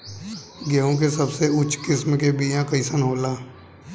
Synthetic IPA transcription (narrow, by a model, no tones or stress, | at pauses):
ɡeõk̬esɐbseʊt͡ʃkɪsmkebijãkəɪsənɦoːlaː